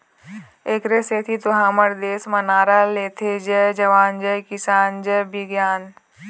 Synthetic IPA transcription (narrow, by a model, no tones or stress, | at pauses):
eːkɾeset̪ʰit̪ʊɦãːməɾd̪eːsmɐnaːɾaleːt̪ʰed͡ʒɛd͡ʒɐʋaːnd͡ʒəjkɪsaːnd͡ʒəjbɪɡjaːn